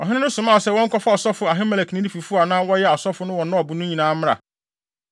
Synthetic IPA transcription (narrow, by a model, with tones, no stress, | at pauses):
ɔ˨ɦɪ̃˦nɪ̃˦nʊ̃˦sʊ̃˨mã˦˨sɛ˦˨wɔ̃˦ŋ˦kɔ˦fa˦ɔ˨sɔ˦fʊ˨a˨ɦɪ̃˦mɛ˨lɛ˨knɪ̃˦di˦fi˨fu˦a˨nã˦wɔ˦jɛ˦a˨sɔ˦fʊ˨˦nʊ̃˦wɔ̃˨nã˦ɔ˨bʊ˨nʊ̃˦ɲĩ˨nãː˦m˦a̰˨